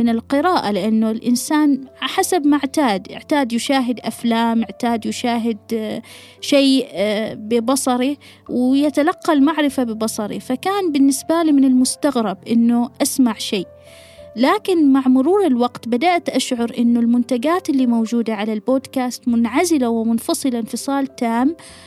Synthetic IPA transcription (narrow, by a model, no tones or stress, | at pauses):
mɪnɪlqɪɾaːʔalɪʔanːʊlʔɪnsaːnħasabmaʕt̪aːd̪ʔɪ̰ʕt̪aːd̪jʊʃaːɦɪd̪ʔaflaːmɪʕt̪aːd̪jʊʃaːɦɪd̪ | ʃeː | bɪbɑsˤɑɾi | wɪjat̪alɑqːɑlmaʕɾɪfabɪbɑsˤɑɾḭfakaːnbɪnːɪsbalimɪnɪlmʊst̪aɣɾɑbʔɪnːʊʔasmaʕʃeːʔ | laːkɪnmaʕmʊɾuːɾɪlwɑɡt̪bad̪aʔt̪ʔaʃʕʊɾʔɪnːʊlmʊnt̪aɡaːt̪ɪlːiːmowd͡ʒuːd̪aʕalalboːd̪kaːst̪mʊnʕazɪlawɪmʊnfɑsˤɨlanfɨsˤɑːlt̪aːm